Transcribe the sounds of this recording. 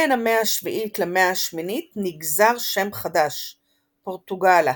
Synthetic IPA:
enameaʃviʔitlemeaʃminitniɡzaʁʃe̞mχadaʃ | poʁtuɡala

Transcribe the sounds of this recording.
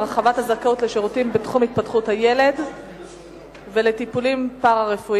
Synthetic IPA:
ʁaχavathazakaotle̞ʃeʁutimbetχumhit̪̚patχuthaje̞le̞d | ve̞le̞tipulimpaʁaʁefu

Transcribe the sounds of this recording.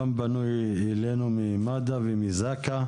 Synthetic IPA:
ambanuj | ɛlenumimad̪avimizaka

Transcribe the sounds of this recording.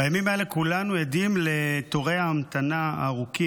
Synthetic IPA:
ajamimaele̞kulanujed̪imle̞t̪oʁeaamat̪anaa̰ːʁuki

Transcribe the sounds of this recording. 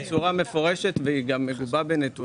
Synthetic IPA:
t͡suʁame̞fo̞ʁe̞ʃet̪veiɡamːeɡubabenet̪u

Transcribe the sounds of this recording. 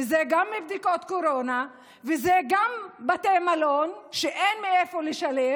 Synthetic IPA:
ezeɡamːibd̪iko̞t̪ko̞ɾona | vezeɡambat̪emalonʃeʔenmiefoleʃale

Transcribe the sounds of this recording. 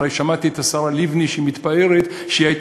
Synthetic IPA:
ejʃamat̪iet̪asaʁalivniʃimit̪bae̞ʁet̪ | ʃiajt̪

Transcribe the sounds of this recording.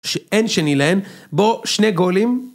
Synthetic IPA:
ʃeʔenʃenilahemboʃneɡolim

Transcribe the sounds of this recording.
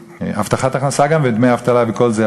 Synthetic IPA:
aft̪aχat̪aχnasaɡamved̪mejaaft̪alaveko̞lze

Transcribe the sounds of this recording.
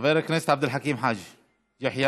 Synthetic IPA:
veːɾaknest̪ʕab̚d̪ɪlħakiːmħaːd͡ʒi | jaħja

